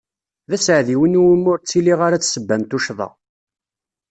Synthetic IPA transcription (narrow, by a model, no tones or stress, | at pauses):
ðæsʕðiwənuwəmːʊɾt͡sːiliʁaɾat͡sːsəbːæmt̪uʃðˤɑ̰